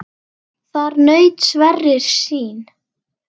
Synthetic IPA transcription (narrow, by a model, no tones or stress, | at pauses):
θaɾnœːɥt̪svɛrːɪɾ̥siːn